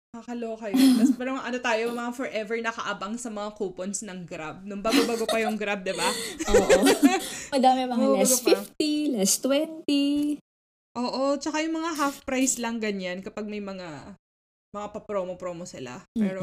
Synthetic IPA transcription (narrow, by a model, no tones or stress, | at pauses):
nɐkɐkɐlokɐjot̪ɐspɛɾɐʔɐnot̪aːjomɐafɔɹʔɛvɛɹnɐkɐʔabɐŋsɐmɐŋakoponsnɐŋɡɾab̚nʊŋbaːɡabaɡopɐjʊŋɡɾab̚d̪ɪba | mɐd̪aːmɪmɐmabaɡopfift̪ilɛst̪wɛnt̪i | ʔoːʔo̞t͡ʃɐkajʊŋmɐŋaɦafpɾajslɐŋɡɐɲankɐpaɡ̚mɐjmɐŋa | mɐŋapɐpɾoːmopɾoːmosɪla̰pɛːɾo